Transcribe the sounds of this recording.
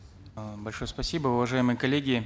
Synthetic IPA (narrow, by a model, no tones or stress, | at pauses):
bɐlʲʂojəspɐsʲibəʊvɐʐajɪmɨjəkɐlʲːeɡʲɪ